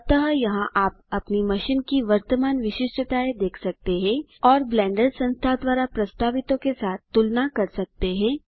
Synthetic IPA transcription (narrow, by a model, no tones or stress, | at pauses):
t̪əɦjɐɦãʔaːp̚ɐpnimɐʃɪnkiʋɐɾt̪əmaːnʋɪʃɪʃʈɾət̪aːed̪eːkʰsɐk̚t̪eɦɛ̃ | ɔːɾblɛ̃ːɳɖəɾsɐ̃nst̪ʰad̪ʋaːɾapɾɐst̪aːʋɪt̪õkesaːt̪̚ʰːʊlnakɐɾsɐk̚t̪eɦɛ̃ː